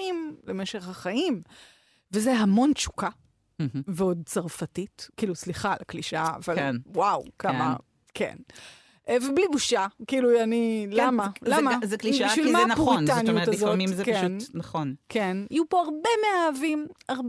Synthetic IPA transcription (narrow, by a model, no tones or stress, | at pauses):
imleme̞ʃe̞χhaχaim | vezeɦamo̞nt͡ʃu̥ka | veo̞d̚t͡saʁfatitkiːlusliχalakliʃa̰ːvalnwawkama̰ | kḛn | ʔveblibuʃakiːluanilamalamazekliʃbiʃvilmaanpʁntanijuazotimzekeuntnaχonkʰenajupoaʁbemeaːvimaʁb